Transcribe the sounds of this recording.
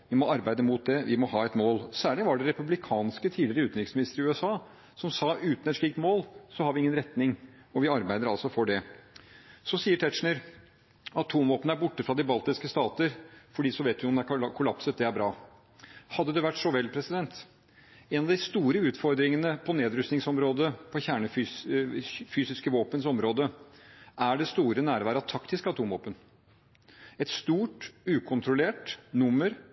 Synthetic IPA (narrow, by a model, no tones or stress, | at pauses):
ʋɪmɔɑɾbæɪd̪əmut̪̚d̪ɛʋɪmɔhɑːɛt̪moːlsæːɭɪʋɑɖɛɾɛpʉblɪkʰɑːnskət̪ʰiːd̪lɪɾəʉːt̪ɪksmɪnɪst̪əɾɪʉːɛsɑː | sɔmsɑːʉːt̪n̩ɛt̪ʂɭiːkt̪moːlsɔhɑɾʋɪɪŋːənɾɛt̪nɪŋ | ɔʋɪɑɾbæɪd̪əɾɑlsɔfɔɖɛ | sɔsiːəʈʰɛt̪ʂɳəɾ | ɑt̪ʰːuːmʋoːpənəæɾbʊʈːəfɾɑd̪ɪbɑlt̪ɪskəst̪ɑːt̪əɾfɔɖiːsɔʋeɪt̪ʋɪɔmd̪ɛæɾkʰʊlɑpsət̪̚d̪ɛæɾbɾɑː | hɑd̪ːəd̪ɛʋæʈːsɔʋɛlːpʰɾɛsɪd̪ɛnt̪ | ɛnɑʋd̪ɪst̪uːɾəʉːt̪fɔɾd̪ɾɪŋənəpʰɔneːd̪ɾʉst̪nɪŋsɔmɾoːd̪əpʰɔçæːɳəfy | fyːsɪskəʋoːpənsɔmɾoːd̪əʔæɖɛst̪uːɾənæːɾʋæːɾəɑt̪ʰɑkt̪ɪskɑt̪ʰuːmʋo̰ːpən | ɛt̪st̪uːʈʉːkʰʊnt̪ɾʊleːʈnʊmːəɾ